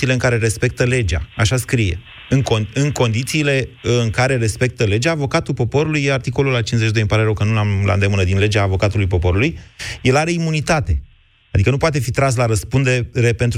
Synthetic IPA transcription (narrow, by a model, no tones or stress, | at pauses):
iːleɨŋkaɾe̞ɾe̞spe̞k̚t̪əle̞d͡ʒa̰aʃaskɾije̞̰ | ɨŋkoɨŋko̞nd̪it̪siːle̞ɨŋkaɾe̞ɾe̞spe̞k̚t̪əle̞d͡ʒaːvo̞kat̪ulpo̞po̞ɾulujeart̪iko̞lulat͡ʃinzeʃid̪oɨmpaɾeɾəwkənunamla̰nd̪e̞mɨnəd̪inle̞d͡ʒaːvo̞kat̪ulujpo̞po̞ɾulujje̞laɾe̞imunit̪at̪e̞ | ad̪ikənupoat̪e̞fit̪ɾans̬laɾəspund̪eeɾe̞pe̞nt̪